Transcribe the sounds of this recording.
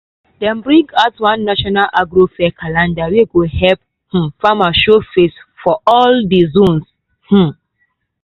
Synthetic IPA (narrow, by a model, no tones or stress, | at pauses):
dɛ̃mbɹĩɡatwãnːaʃɔnalʔaɡɾofɛkʰalãndaweɡohɛp̚ | h̩famaʃofesfɔɔldizõns | h̩